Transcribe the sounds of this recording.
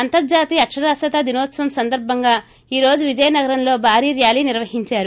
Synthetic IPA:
ɐnt̪ɐɾd͡ʒaːt̪iːɐkʂɐd̪aːsɐt̪ad̪inoːt̪sɐʋɐmsɐnd̪ɐɾbʱɐŋɡaː | iːɾo̞ːd͡ʒuʋid͡ʒɐjɐnɐɡɐɾɐmlo̞ːbʱaːɾiːɾjaːliːniɾʋɐɦiɲt͡ʃaːɾu

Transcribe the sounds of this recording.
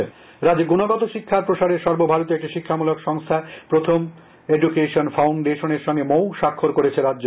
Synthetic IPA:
ɾad͡ʑeɡunoɡɔt̪oʃikʰːaɾpɾoʃaɾeɾʃɔɾbobʱaɾot̪̬iek̚ʈiʃikʰːamulokʃɔŋst̪ʰapɾot̪ʰom | ed͡ʑukeʃonfawɳɖeʃoneɾʃɔŋɡemowʃakʰːoɾkoɾet͡ɕʰeɾad͡ʑd͡ʑo

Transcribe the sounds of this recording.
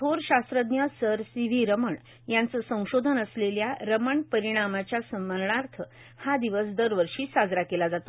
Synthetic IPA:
t̪ʰoɾɕast̪ɾəd̪jəsəɾsiʋ̤iɾəməɳ | jant͡səsə̃w̃ɕod̪ʱənəsleljaɾəməɳpəɾiɽ̃amat͡ɕjasəməlɳaɾt̪ʰə | had̪iʋəs̬d̪əɾʋəɾʂiːsad͡zɾakelad͡zat̪o

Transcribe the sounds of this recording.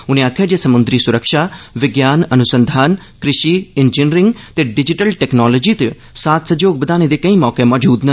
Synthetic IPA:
ʊnẽːaːkʰjaːd͡ʒeːsəmʊnd̪ɾiːsʊɾəkʃaːʋɪɡjaːnənʊsə̃nd̪ʱaːn | kɾɪʃiːɪnd͡ʒɪnɾɪ̃ŋɡt̪eːɖɪd͡ʒɪʈəlʈɛːknɔːloːd͡ʒiːt̪e | saːt̪ʰsəd͡ʒoːɡ̚bəd̪aːned̪eːkəĩːmɔːkemɔːd͡ʒuːd̪nə

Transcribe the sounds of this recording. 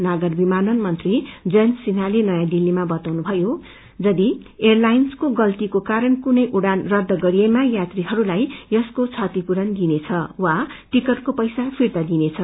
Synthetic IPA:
naɡʌrbimanʌnmʌnt̪rid͡zʌnsinalenʌjãd̪ilːimabʌt̪awnubʱʌjo | d͡zʌd̪ierlajnskoɡʌlt̪ikokaɾʌnkunʌjʔuɽanrʌd̪ːʌɡʌɾijemajat̪riɦʌɾulajjʌskot͡sʰʌt̪ipuɾʌnd̪inet͡sʰʌwaʈikʌrkopʌjsapʰirt̪ad̪inet͡sʰʌ

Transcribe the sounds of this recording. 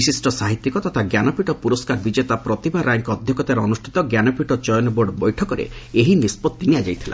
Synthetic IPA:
isisʈɔsaɦit̪ːikɔt̪ɔt̪ʰaɡjanɔpiʈɔpuɾɔskaɾbid͡ʒet̪apɾɔt̪ibaɾajŋkɔɔd̪ʱjɔkɔt̪aɾɔɔnusʈʰit̪ɔɡjanɔpiʈɔt͡ʃɔjɔnɔboɾɖbɔjʈʰɔkɔɾḛeɦinispɔt̪ːiniad͡ʒajt̪ʰila̰

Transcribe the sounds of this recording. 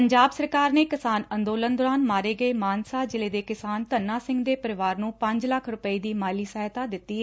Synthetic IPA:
əɲd͡ʒaːbsəɾkaːɾneːkɪsaːnənd̪oːlənd̪ɔːɾaːnmaːɾeːɡəeːmaːnsaːd͡ʒɪleːd̪eːkɪsaːnt̪ənːaːsɪ̃ŋɡd̪eːpəɾɪʋaːɾnũːpə̃ɲd͡ʒləkʰɾʊpəiːd̪iːmaːliːsəɦt̪aːd̪ɪt̪ːiːɛː

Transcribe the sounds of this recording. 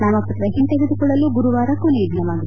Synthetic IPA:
namɐpːɐt̪ɾɐɦint̪eɡed̪ukɔɭːɐluɡuɾuʋaːɾɐkːuniːd̪ʱinɐmaːɡi

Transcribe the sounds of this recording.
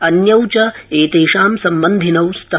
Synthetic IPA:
ɐnjɐwt͡ʃɐeːt̪eːʃaːmsɐmbɐnd̪ʱinɐwst̪ɐ

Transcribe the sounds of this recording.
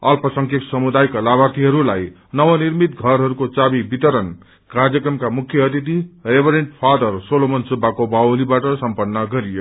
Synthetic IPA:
ʌlpʌsʌŋkʰeksʌmud̪ajklabʱat̪iɦʌɾulaj | nʌwʌnirmit̪ɡʱʌɾɦʌɾukot͡sabibit̪ʌɾʌn | kard͡zjʌkrʌmkamukʰːjʌʌt̪it̪irebʱʌɾeɳʈpʰad̪ʌrsolomʌnsubʱːakobawolibaʈʌsʌmpʌnːʌɡʌɾijo

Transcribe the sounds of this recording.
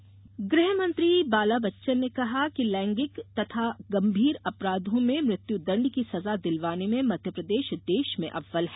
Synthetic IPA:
ɡɾɪɦmɐ̃nt̪ɾibaːlabɐtːʃənːekɐɦakilɛ̃ːŋɡɪkt̪ɐt̪ʰaɡɐ̃mbʱiːɾɐpɾaːd̪ʱõmẽmɾɪt̪jud̪ɐ̃ɳɖkisɐzad̪ɪlʋaːnemẽmɐd̪ʱjəpɾɐd̪eːʃd̪eːʃmḛ̃ʔɐʋːəlɦɛ

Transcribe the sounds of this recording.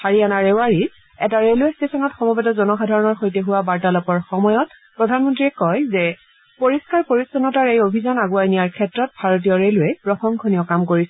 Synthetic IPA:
haɹianaɹeʊaɹi | ɛtaɹeluestesɔnɔtxɔmɔbɛtɔzɔnɔxadʱaɹɔnɔɹxojteɦʊwabaɹtalɔpɔɹxɔmɔjɔt̚ | pɹɔdʱanmɔntɹiɛkɔjzɛ | poɹiskaɹpoɹisɔnɔtaɹejobʱizanaɡuwajnijaɹkʰɛtɹɔt̚bʱaɹot̬ijɔɹeluɛpɹɔxɔŋkʰonijɔkamkoɹisɛ

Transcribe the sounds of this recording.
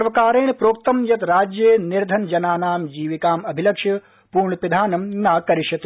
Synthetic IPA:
sɐɾʋɐkaːɾeːnpɾoːk̚t̪ɐmjɐt̪ɾaːd͡ʒjeːniɾd̪ʱɐnd͡ʒɐnaːnaːmd͡ʒiːʋikaːmɐbʱilɐkʂjɐ | puːɾɳɐpid̪ʱaːnɐmnaːkɐɾiʃɐt̪

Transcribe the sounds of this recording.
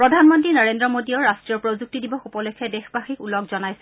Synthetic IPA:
pɹɔdʱanmɔntɹinaɹendɹɔmodiɔɹastɹijɔɹpɹozuk̚tidibɔxupɔlekʰːɛdexbaxikulɔkzɔnajsɛ

